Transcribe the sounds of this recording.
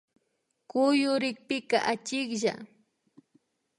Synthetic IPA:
kʊjʊɾɪk̚pɪka̰ʔat͡ʃɪkʒa̰

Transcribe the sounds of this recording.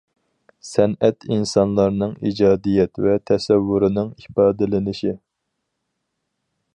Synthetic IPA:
sɛnɛt̪ʰinsɑnlˠɑɾnɨŋḭd͡ʒɑːd̪ijɛt̪vɛt̪ʰɛsɛvːuɾɨnɨŋipɑːd̪ɪlɪnɪʃi

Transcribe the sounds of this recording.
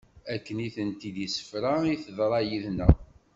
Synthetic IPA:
ækːəniθənt̪id̪isə̥fɾaiθəðˤɾˤɑjiðnæ

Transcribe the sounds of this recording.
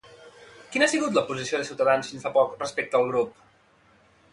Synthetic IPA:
kinasiɣut̪̬ləpuzisioðəsiwt̪əðansfinsfapɔkrəspek̚t̪əːlˠɣɾup

